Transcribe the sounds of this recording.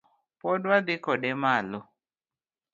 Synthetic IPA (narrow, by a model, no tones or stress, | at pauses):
pɔdwad̪ɪkɔdɛmalɔ